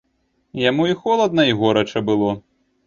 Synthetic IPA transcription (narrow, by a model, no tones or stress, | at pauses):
jamuixɔlˠɐd̪̚nɐiɣɔɾɐt͡ʂɐbɨlˠɔ